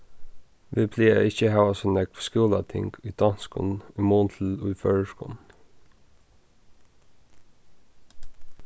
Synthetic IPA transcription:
ʋipʰliːə̰ɪçəhɑːʋɑsɔnɛkʰskuːlɑ̰t̪ʰɪ̰ŋɡyːd̪̥ɑnskʊ̰nimoːnt̪ʰl̩ṵføːɹəʃkṵn̩

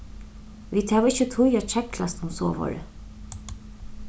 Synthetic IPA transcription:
ʋiːd̪hɛʋɪt͡ʃːət̪ʰʊjat͡ʃʰɛklast̪ʊmsoːʋɔ̰ɹə̰

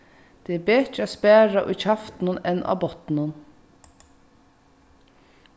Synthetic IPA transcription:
d̪̥eːbeːt͡ʃəɑːspæːɹɑʔo̰ɪçhɑft̪nɔnɛnʔɑ̰ːbɔt̪n̩ən

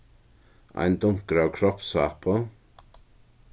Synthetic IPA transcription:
a̰jnd̪ʊŋ̚ɡ̥ɾawkʰɾɔpsapʰɔ

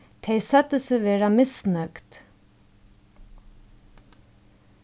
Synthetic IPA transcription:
t̪ʰeɪsœt̪əsəʋeːɹɑmɪsnœkt̪

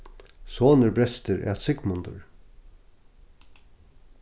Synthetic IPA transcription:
soːnəɾbɾɛst̪əɾʔɛ̰t̪sʏkmʊnd̪ʊ̰ɹ

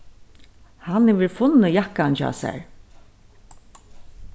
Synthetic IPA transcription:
hanɛʋɪɾfʊnːəjahkːant͡ʃa̰ːsæ̰ɹ

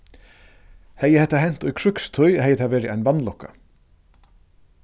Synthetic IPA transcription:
hɛjəhɛt̪ːaɦɛn̥t̪ʊjkʰɹʏkst̪ʰʊjhɛjət̪ʰaʋɛːɾɪʔæɪjnvanlɔkːa̰

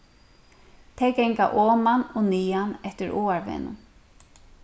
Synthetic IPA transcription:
t̪ʰɛjkɛŋkaʔɔːmanʊniːanɛht̪ɪɾʔoːaɹvḛːnʊ̰n

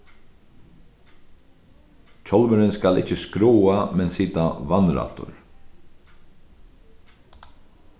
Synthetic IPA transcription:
c͡çʰɔlməɾɪnskalɪ̰t͡ʃəskɾuːamɛnsiːt̪aʋanɾa̰ːt̪ʊ̰ɾ

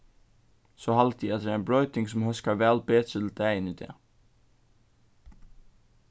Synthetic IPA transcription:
soːhalt̪iɛt̪d̪ɛːɾæɪmbɹœʏt̪ɪŋsɔmhœskaʋɛːlbeːt̪ɾət̪ʰɪld̪æɪənid̪ɛ̰ː

